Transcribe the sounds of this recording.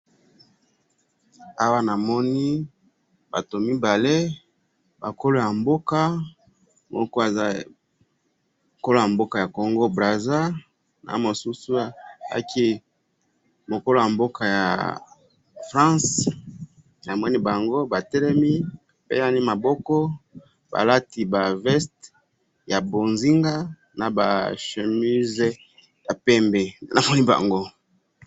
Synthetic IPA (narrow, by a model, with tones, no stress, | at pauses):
a˦wa˦na˨mɔ˦ni˦ | ba̰˨to˨mi˦ba˨le˦ | ba˨ko˦lo˦ja˨mbo˦ka˦ | mɔ̰˦kɔ˦a˨za˦ | ko˦lo˦ja˨mbo˦ka˨ja˨ko˨ŋɡo˦bʁa˨za˦ | na̰˨mo˨su˦su˦a̰˦kʰi˦ | mo˨ko˦lo˦ja˨mbo˦kʰa˨ja̰˨ | fʁã˦s | na˨mwɔ˦ni˦ba˨ŋɡo˦ba˨tɛ˦lɛ˦mi˦a˨pḛ˦ja˦ni˦ma˨bɔ˦kɔ˦ | ba̰˨la˦ti˨ba˨vɛ˦st | ja˨bo˨nzi˦ŋɡa˦ | na˨ba̰˨ʃe˨mi˦z | ja˨pɛ˦mbɛ˨na˨mɔ˦ni˦ba̰˨ŋɡo˦